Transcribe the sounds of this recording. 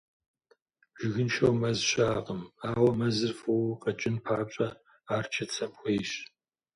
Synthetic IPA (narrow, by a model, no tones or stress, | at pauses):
ʒ̥ɪɣɨnʃɐwmɐzɕaːqʼəmaːwɐmɐzɨrfuwqʼɐt͡ʃʼɪnpʰaːpɕʼɐ | aːrt͡ʃʰɐt͡sʰɐmxʷeːɕ